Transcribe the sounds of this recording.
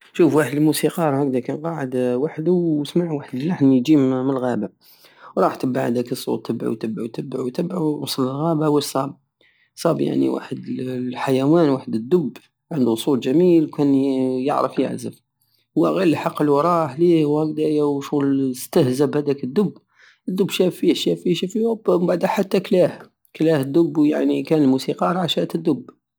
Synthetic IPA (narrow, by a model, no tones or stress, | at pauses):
ʃufwaħəd̪əlmusiqɑɾˤhæk̚d̪ækænqɑʕəd̪waħd̪uwsmaʕwaħəd̪əlːaħnjd͡ʒimmənlɣæba | wɾˤɑħt̪əbːaʕhæ̰d̪ækəsˤːṵt̪ːəbʕḭwt̪əbʕṵt̪əbːʕuwt̪əbʕuwɑsˤlːəlɣæbawəsˤɑb̚ | sˤɑbja̰ʕnḭwa̰ħəd̪ħajæwænwaħəd̪əd̪ːʊbː | ʕənd̪usˤulʒæmilwkænjəʕɾəfjə̰ʕzəf | wæɣilːħɑqːəlwɑɾˤɑħlihwhæld̪æjawʃunst̪əhzəbhæd̪ækəd̪ːʊbː | əd̪ːʊbːʃæfːihʃæfːiʃæfiwæbbaʕd̪æħat̪ːæklæh | klæhəd̪ːʊbːja̰ʕnikænəlmusiqɑɾˤʕaʃæʔt̪əd̪ːʊb